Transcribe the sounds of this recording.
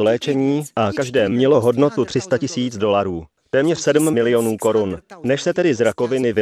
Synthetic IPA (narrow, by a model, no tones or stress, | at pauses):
lɛːt͡ʃɛɲiːʔakaʒdɛːmɲɛlo̞ɦo̞dno̞t̪ut̪r̝̥ɪst̪acɪsiːt͡sdo̞laɾuː | t̪ɛːmɲɛr̝̥sɛdm̩mɪlɪjo̞nuːko̞ɾunnɛʃsɛt̪ɛdɪzɾako̞vɪnɪvɪ